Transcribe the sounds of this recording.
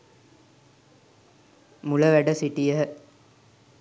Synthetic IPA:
muləʋæɖəsiʈijəɦə

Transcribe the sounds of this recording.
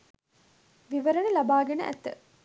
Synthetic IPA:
ʋiʋəɾənəlɐbaːɡenə̰ʔæ̰t̪ːə̰

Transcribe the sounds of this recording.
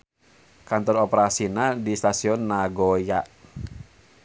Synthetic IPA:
kant̪ɔrɔpeɾasinadist̪asiɔnːaɡɔjaʔ

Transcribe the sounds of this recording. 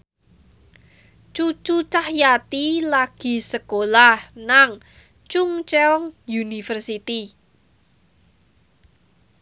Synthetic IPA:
t͡ʃut͡ʃut͡ʃahjat̪ilaɡ̥i̤səkolahnaŋ | t͡ʃʊŋt͡ʃeɔŋjunifərsit̪i

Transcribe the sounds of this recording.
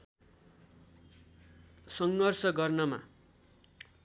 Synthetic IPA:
sʌŋɡʌrsʌɡʌrnʌma̰

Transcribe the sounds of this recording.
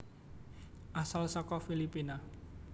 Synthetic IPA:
ʔasalsɔkɔfilipina

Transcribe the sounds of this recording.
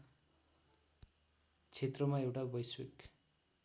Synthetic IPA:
t͡sʰet̪rʌmaewʈabʌjswek

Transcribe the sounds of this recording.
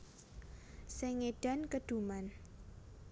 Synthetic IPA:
seŋeɖ̥a̤nkəd̥ṳman

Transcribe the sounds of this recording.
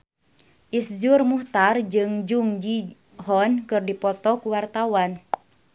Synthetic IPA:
ʔisd͡ʒurmuht̪ard͡ʒɨŋd͡ʒuŋd͡ʒi | ɦɔnkɨrdipɔt̪ɔkuwart̪awan

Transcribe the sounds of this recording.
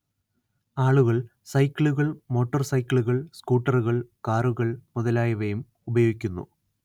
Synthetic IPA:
aːɭuɣɐɭ | sɐjkʲːɭuɣɐɭmo̞ːʈːɐrsɐjkːɭuɣɐɭskuːʈːɐruɣɐɭkaːruɣɐɭmuðɐlaːjɐʋɐjum | ubɐjoːɡikʲːunːṵ

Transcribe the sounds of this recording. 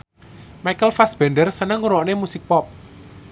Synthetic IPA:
majkəlfasb̥ɛnɖərsənəŋuɾɔʔnemusɪk̚pɔp̚

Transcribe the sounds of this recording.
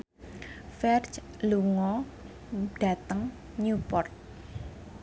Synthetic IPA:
fɛrt͡ʃ | luŋɔ | ɖ̥ä̤t̪əŋ | ɲupɔrt̪̚

